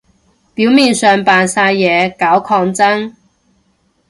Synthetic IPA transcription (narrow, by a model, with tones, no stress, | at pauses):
piː˨˥wmiː˨nsœː˨˩ŋpaː˨nsaː˧jːɛː˨˧kaː˨˥wkʰɔː˧ŋt͡sɐ˥ŋ